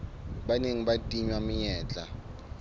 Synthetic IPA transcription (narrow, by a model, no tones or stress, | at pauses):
ɓaneŋiɓatʼiɲwamɪjɛːt͡ɬʼa